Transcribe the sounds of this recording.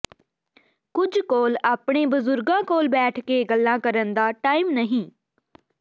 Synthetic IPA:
kʊd͡ʒkoːlaːpɳeːbʊzʊɾɡãːkoːlbɛːʈʰkeːɡəlːãːkəɾənd̪aːʈaːimnəɦĩː

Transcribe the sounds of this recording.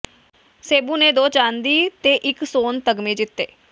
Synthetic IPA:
seːbuːneːd̪oːt͡ʃãːnd̪iːt̪eːʔɪksoːnt̪əɡmẽːd͡ʒɪt̪ːeː

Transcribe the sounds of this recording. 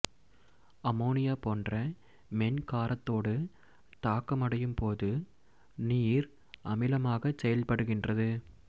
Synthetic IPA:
ɐmoːnɪjaːpoːndrɐ | mɛnkaːɾɐt̪ːoːɽɯ | t̪aːkːɐmɐɽɐjɯmpoːðɯ | niːɾ | ʔɐmɪlɐmaːɣɐsɛjɐlpɐɽɯɣɪndrɐðɯ

